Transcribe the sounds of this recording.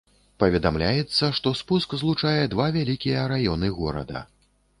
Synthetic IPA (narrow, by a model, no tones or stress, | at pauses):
pɐvʲɛd̪amlʲajɛt̪sːɐʂt̪ɔspuskzlˠut͡ʂajɛd̪vavʲalʲikʲijɐɾajɔnɨɣɔɾɐ̰d̪ɐ̰